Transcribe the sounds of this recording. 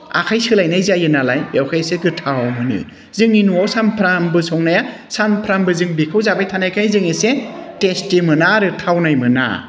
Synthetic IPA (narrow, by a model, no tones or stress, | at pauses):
a̰kʰajsɯlajnajzajɯnalajbjawkʰajseɡɯtʰawawmɯnɯ̰ | zɯŋinuawsampʰɾambɯsɔŋnaja | sanpʰɾambɯzɯŋbikʰɯwzabajtʰanajkʰajzɯŋesetestimɯnaɾɯtʰawnajmɯna̰